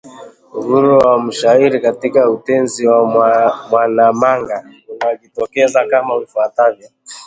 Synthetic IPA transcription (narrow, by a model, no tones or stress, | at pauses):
uhuɾuwam̩ʃaiɾikatikautɛnziwamwanamaŋɡa | unaʄitɔkɛzakamavifwatavjɔ